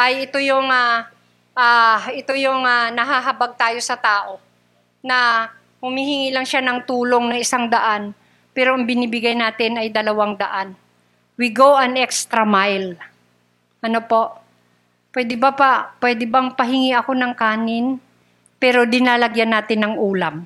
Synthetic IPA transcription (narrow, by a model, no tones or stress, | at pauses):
ʔɐjɪt̪o̞joŋa | ʔaʔɪt̪o̞joŋanɐɦaɦɐbaɡ̚t̪aːjo̞sɐt̪aːʔo̞ | nɐ | hʊmiːhɪŋiːlɐŋʃanɐŋt̪uːlo̞ŋnɐŋɪsaŋd̪ɐʔan | pɛːɾoʔɐŋbɪniːbɪɡajnaːt̪ɪnɐjd̪ɐlɐwaŋd̪ɐ̰ʔan | wiɡowʔɐnʔɛkst̪ɾɐmajl | ʔɐnopo̞ʔ | pwɛːd̪ɪbɐpɐpwɛːd̪ɪbɐŋpɐɦɪŋiʔɐko̞nɐŋkaːnɪn | pɛːɾo̞d̪ɪnalɐɡjanːaːt̪ɪnːɐŋʔuːlam